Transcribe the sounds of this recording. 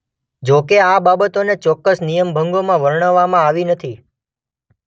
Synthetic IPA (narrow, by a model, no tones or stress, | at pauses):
d͡ʒokeababət̪onet͡ʃɔkːəsnijəmbʱəŋɡomãʋəɾɳ̃əʋːamãaʋinət̪ʰi